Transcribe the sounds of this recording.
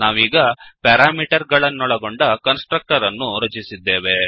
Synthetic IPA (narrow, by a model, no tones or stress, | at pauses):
naːʋiːɡɐpɐɾaːmiːʈɐɾɡɐɭɐnːɔɭɐɡoɳɖɐkɐnsʈɾɐk̚ʈɐɾɐnːuɾɐt͡ʃisid̪ːeːʋe̞